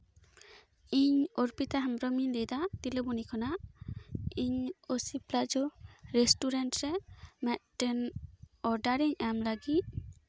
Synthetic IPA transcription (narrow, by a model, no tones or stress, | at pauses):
iɲɔɾpit̪aɦamɾɔminlejd̪at̪ilɔbɔnikʰana | iɲosiplaʔd͡ʒɔɾɛsʈuɾanʈɾɛmɛt̪̚ʈɛnɔɾɖaɾiɲamlaɡit̚